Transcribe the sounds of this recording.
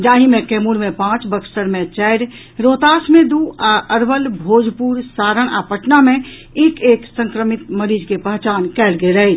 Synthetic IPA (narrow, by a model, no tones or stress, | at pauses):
d͡ʒaːɦimẽkemuɾmepãt͡ʃbəksʈəɾmẽt͡ʃɛɪɾ | ɾot̪aːsmẽd̪uaəɾbəlbʱoːd͡ʒʱpuɾsaːɾəɽ̃a̰pəʈname | eːkeːksə̃ŋkɾəmit̪məɾiːd͡ʒkepəɦt͡ʃaːnkɛlɡeləj